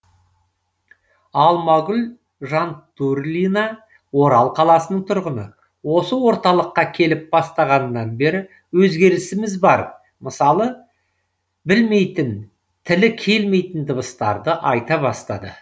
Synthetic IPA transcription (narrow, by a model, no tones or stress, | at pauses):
ɑlˠmɑɡʲʊl | ʒɑnt̪uɾlʲinɑ | wo̞ɾɑlˠqʰɑlˠɑsənəɴt̪ʰʊɾʁənə̰ | wo̞səwo̞ɾt̪ɑlˠəqːɑkʲʰe̞lɪp̚b̥ɑst̪ɑʁɑnəːɑnbe̞ɾɪ | wɵzɡʲe̞ɾɪsɪmɪzbɑɾ | məsɑlˠə | bɪlme̞jt̪ɪn | t̪ʰɪlɪkʲʰe̞lme̞jt̪ɪnd̪əbəst̪ɑ̰ɾd̪əʔɑjt̪ɑbɑst̪ɑd̪ə̰